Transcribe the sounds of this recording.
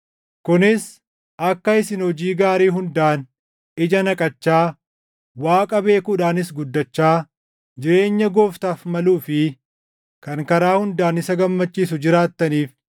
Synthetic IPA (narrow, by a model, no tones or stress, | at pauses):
kʊnɪs | ɐkːɐɪsɪnhɔd͡ʒiːɡaːɾiːɦʊnd̪aːn | ɪd͡ʒɐnɐkʼɐt͡ʃːaː | waːkʼɐbe̞ːkuːᶑaːnɪsɡʊd̪ːɐt͡ʃːaː | d͡ʒɪɾe̞ːɲːɐɡo̞ːft̪aːfmɐluːfɪ | kɐŋkɐɾaːhʊnd̪aːnɪsɐɡɐmːɐt͡ʃːiːs̬ʊd͡ʒɪɾaːt̪ːɐniːf